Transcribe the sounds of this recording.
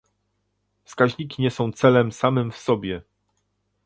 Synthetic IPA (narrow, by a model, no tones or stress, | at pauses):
fskaʑɲikʲiɲɛsɔ̃w̃t̪sɛlɛmsamɘmfsɔbʲjɛ